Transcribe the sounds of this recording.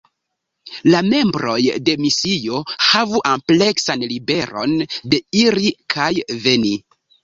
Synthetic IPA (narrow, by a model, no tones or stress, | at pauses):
lame̞mbɾo̞jde̞misio̞havuʔample̞ksanlibe̞ɾo̞̰nde̞iɾikʰajve̞ni